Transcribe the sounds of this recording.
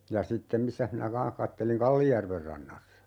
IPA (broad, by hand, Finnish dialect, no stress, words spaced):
jɑ sitːem misːæh minæ kɑ̃ːh kɑtːeliŋ kɑlːijærʋer rɑnːɑsːɑ